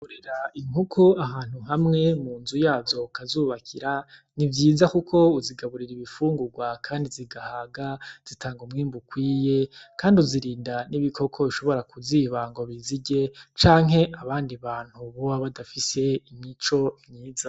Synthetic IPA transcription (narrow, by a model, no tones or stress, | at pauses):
kuɾeɾaiŋhukʰuaɦaːn̥huɦamŋe̞muːnzujaːvzo̞kazuːβakʰiɾa | nivjiːzakukʰo̞uziɡaβuɾiɾiβifuːŋɡuɡwakʰaːndiziɡahaɡaz̥itʰaːŋɡumŋiːmbukwiːje̞kaːndiuziɾiːndaniβikʰo̞kʰo̞βiʃo̞βo̞ɾakuziːβaːŋɡo̞βiziɟe̞t͡ʃaːŋɦe̞ʔaβaːndiβaːn̥huβoaβadafise̞imit͡ʃo̞miːza